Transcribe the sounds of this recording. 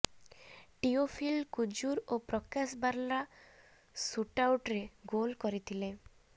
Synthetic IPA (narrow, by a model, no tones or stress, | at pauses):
ʈiofʰilkud͡ʒuɾopɾɔkasbaɾla | suʈawʈɾeɡolkɔɾit̪ʰile